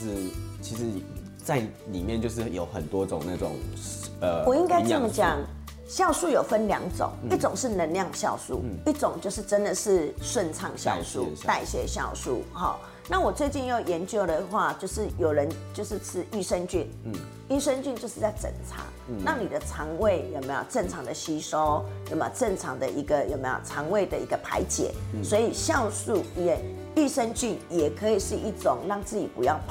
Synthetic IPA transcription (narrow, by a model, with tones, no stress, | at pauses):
t͡ɕʰi˧˥ʂɻ̩˧˦˥ | t͡sa˥˩ɪli˨˩mjɛ˥˨nt͡ɕjo˥˧ʊʂ̬ɻ̩˥˩jo̰˨˦ʊxə̰˨˩nt̪wɔ˦t͡sʊ̰˨˩ŋna˥˩t͡sʊ̰˨˩ŋə˩wɔ˨i˦ŋka˥ɪt͡sə˥˩mə˨t͡ɕja˨˩˦ŋ | ɕjɑ˥˧ʊʂu˥˩jo˨˩ʊfə˦nljɑ̰˧˥ŋt͡sʊ̰˨˦ŋi˥˩t͡sʊ˨˩ŋʂɻ̩˥˩nə˧˦nljɑ˥˧ŋɕjɑ˥˧ʊʂṵ˥˨˩i˥˩t͡sʊ˨˩ŋt͡ɕjo˥˧ʊʂɻ̩˥˩ʈ͡ʂə˦nd̪ə˨ʂɻ̩˥˧ʂwə˥˧nt͡sʰɑ˥˧ŋɕjɑ̰˥˧ʊʂṵ˥˨t̪a˥˧ɪɕjɛ̰˧ɕjɑ˥˧ʊsṵ˥˩xɔ̰˨˩ | na˥˨wɔ˨˩t͡swe˥˧ɪt͡ɕi˥˧njo˥˩ʊjɛ˨˧˦nt͡ɕjo˥ʊd̪ə˨xwa˥˧t͡ɕjo˥˧ʊʂɻ̩˥˩jo˨˩ʊɻə˧˦nt͡ɕjo˥˧ʊʂɻ̩˥˨t͡sʰɻ̩˦˥y˥˧ʂə˦ŋt͡ɕy˥˨n | y˥˧ʂə˥nt͡ɕy˥˧nt͡ɕjo˥˧ʊʂɻ̩˥˧t͡sa˥˩ɪt͡sə̰˨˩ŋt͡sʰa̰˧˥˦ | nɑ˥˩ŋni˨˩d̪ə˦t͡sʰɑ˧˥ŋwe˥˩ɪjo˨˩ʊme˧˥jo̰˨ʊʈ͡ʂə˥˩ŋt͡sʰɑ˧˦ŋd̪ə˨ɕi˥ʂo˦ʊjm˦jt͡sə˥˩ŋt͡sʰɑ˧˥ŋd̪ə˨ʔi˧˥ɡə˨jo˨ʊme˧˦ɪjo̰˨˩t͡sʰɑ˧˦ŋwe˥˩ɪd̪ə˨i˧˥ɡə˨pʰa̰˧˥ɪt͡ɕjɛ̰˨˩˦swɔ˧˦˥i˨˩ɕjɑ˥˧ʊʂu˥˩˧ɛ˥˨˩n | y˥˧ʂə˦ŋt͡ɕy˥˩njɛ˨˩kʰə˧˥i˨˩ʂɻ̩˥˧i˥˩t͡sʊ˨˩ŋɻɑ˥˧ŋt͡sɹ̩˥˩t͡ɕi˨˩pṵ˧˦jɑ˥˩ʊp